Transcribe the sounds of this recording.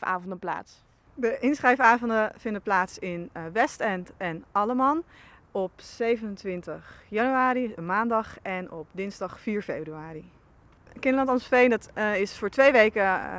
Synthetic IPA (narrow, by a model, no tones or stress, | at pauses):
a̰ːvɔndəpla̰ːts | dəʔɪnsχrɛjfaːvɔndəfɪndəplaːtsɪnʋɛstɛntɛnɑləmɑnɔpsejvənəntʋɪntəχjɑnyaːɾimaːndɑχɛnɔp̚dɪnzdɑχfiːɹfebryaːri | kɪndəlɑntɑnsfejndɑtɪsfʊːɹtʋejʋejkə